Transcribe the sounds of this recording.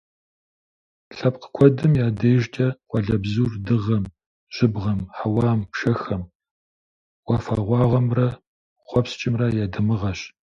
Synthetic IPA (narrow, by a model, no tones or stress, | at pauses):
ɬɐp̚qə̥kʷʰɔdɨmjaːdejʒtʰʼɐqʷʼɔɮɐbzuːrdɨʁɐm | ʒ̥ʷɪbʁɐmħawɑːmʂɐxɐm | wɐfaːʁʷɑːʁɐmrɐ | χʷɔpst͡ʃʼɪmrɐjadɨmɨʁɐɕ